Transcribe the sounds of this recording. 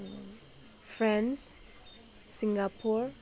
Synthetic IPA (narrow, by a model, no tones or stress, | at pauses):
fɹɛ̃ns | sĩŋɡapʰuɹ